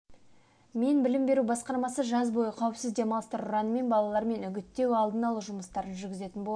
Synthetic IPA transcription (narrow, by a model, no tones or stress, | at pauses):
me̞nbɪlɪmbe̞ɾubɑsqɑɾmɑsəʒɑzbo̞jəqʰɑwəpsɪzd̪e̞mɑlˠəst̪əɾʊɾɑnəme̞nbɑlˠɑlˠɑɾme̞nʏɡʲɪt̪ːe̞wɑlˠd̪ənɑlˠəʒʊməst̪ɑɾənʒʏɾɡʲɪze̞t̪ɪnbolˠ